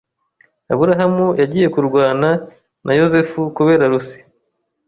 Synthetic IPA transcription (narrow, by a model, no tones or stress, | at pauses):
aβuɾaɦamujaɟiːje̞kuɾɡwaːna | nʔajo̞zefukuβe̞ːɾaɾusi̥